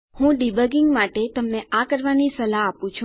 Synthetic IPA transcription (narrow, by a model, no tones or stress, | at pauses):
hũɖibəɡɪŋɡmaʈet̪əmneʔakəɾʋanisəlaːpũt͡ʃʰũ